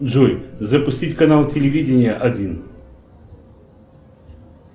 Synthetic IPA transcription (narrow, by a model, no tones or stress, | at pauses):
ʐɔjzəpʊsʲtʲitʲkɐnalˠtʲɪlʲɪvʲidʲɪnʲɪjəʔɐdʲin